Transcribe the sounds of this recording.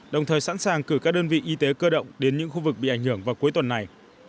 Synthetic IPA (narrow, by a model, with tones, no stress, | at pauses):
ɗə˨˩wŋ͡mt̪ʰəː˨˩jsa̰˧˥nsaː˨˩ŋkɨ˧˩kaː˦˥k̚ɗəː˧nvḭ˧˨ʔi˧t̪e˨˦kəː˧ɗə̰˧˨wŋ͡mɗe˨˦nɲɨ̰˧˥ŋxu˧vɨ˨˩k̚ɓḭ˧˨ʔa˧˩ŋ̟hɨ˧˩əŋvaː˨˩wku˨˦jt̪wə˨˩nːa˨˩j